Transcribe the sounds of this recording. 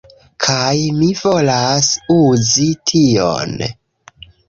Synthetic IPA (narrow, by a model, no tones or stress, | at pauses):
kʰajmivo̞lasuzitʰio̰n